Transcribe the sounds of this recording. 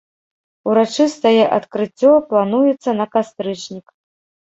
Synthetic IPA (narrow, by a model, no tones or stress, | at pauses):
uɾat͡ʂɨst̪ɐjɛʔɐt̪kɾɨt͡sʲːɔplˠanujɛt̪sːɐnɐkast̪ɾɨt͡ʂnʲik